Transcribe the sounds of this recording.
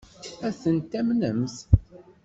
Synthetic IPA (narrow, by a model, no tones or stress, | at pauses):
æθənt̪æmnəmθ